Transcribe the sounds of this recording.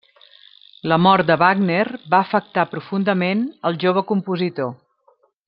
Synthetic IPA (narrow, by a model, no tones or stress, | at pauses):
ləmɔɾt̪̚d̪əβaɡnerβaəfək̚t̪apɾufund̪əmenəlˠʒoβəkumpuzit̪o